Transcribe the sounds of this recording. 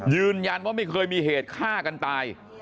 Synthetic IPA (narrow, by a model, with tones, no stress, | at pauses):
jɯː˧nja˧nwaː˥˩ma˥˩jkʰɤː˧jmiː˧ɦeː˨˩t̪̚kʰaː˥˩ka˧nt̪aː˧j